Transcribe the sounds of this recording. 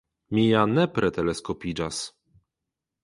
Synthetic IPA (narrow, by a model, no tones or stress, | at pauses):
mʲijanɛpɾɛt̪ɛlɛskɔpʲid͡ʒas